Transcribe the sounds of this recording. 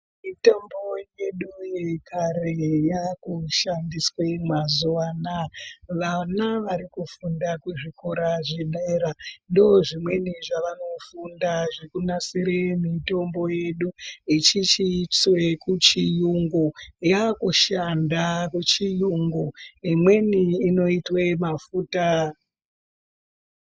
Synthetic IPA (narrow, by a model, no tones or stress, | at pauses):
mitombo̞je̞ɗujekʰarejakuʃandiswemazuʋaːnaʋanaʋaɾikufundakuʐikoɾaʐiɗeɾando̞ʐimwe̞niʐaʋano̞fundaʐekunasiɾemito̞mbo̞je̞ɗuit͡ʃit͡ʃit͡swe̞kut͡ʃijuŋɡojakuʃandakut͡ʃijuŋɡoimwe̞niːno̞itwemafuːta